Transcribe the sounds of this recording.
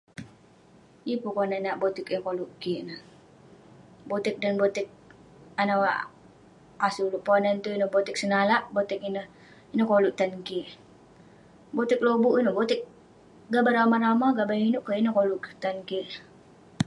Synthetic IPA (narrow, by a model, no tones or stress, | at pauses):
jipukonənaʔbot̪ikəkoluʔkiʔnəh | bot̪ɪk̚danbot̪ɪk̚ | anawaʔ | asuluʔponənt̪uinəbot̪ɪk̚sənalaʔbot̪ɪk̚inəh | inəhkoluʔt̪ankiʔ | bot̪ɪk̚lobuʔinəbot̪ɪk̚ | ɡabaɾamaɾamaɡabainʊʔkainəhkolʊʔt̪ankiʔ